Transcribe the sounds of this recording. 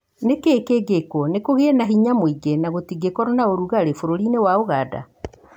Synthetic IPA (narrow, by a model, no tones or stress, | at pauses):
nekeːkeːɡekɔnekoɣeɛnaɦiɲamoiɡenaɣotiɡekɔɾɔnaoɾuɣaɾefoɾoɾinewaoɣada̰